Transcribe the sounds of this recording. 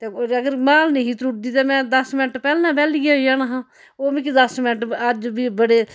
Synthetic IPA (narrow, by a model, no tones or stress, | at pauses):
t̪eɐɡəɾmaːlneɦit̪ɾuʈ̚d̪iːt̪emɛ̃d̪ɐsmɪnʈpɛːlnabɛːliɡajanaɦã | oːmĩkid̪ɐsmɪnəʈad͡ʒbʱibəɽe